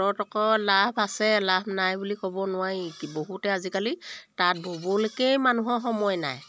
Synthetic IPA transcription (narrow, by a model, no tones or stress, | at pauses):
ɔtɔkɔlabʰʱasɛlabʰʱnajbulikɔbɔnʊwaɹiboɦutɛazikalitat̚bobɔlokɛjmanuɦɔxɔmɔjna̰j